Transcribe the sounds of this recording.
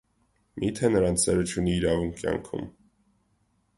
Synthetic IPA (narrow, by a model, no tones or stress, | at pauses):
mit̪ʰɛnəɾɑnt͡sʰɛɾət͡ʃʰuniːɾɑvuŋkʰːjɑ̰ŋkʰṵm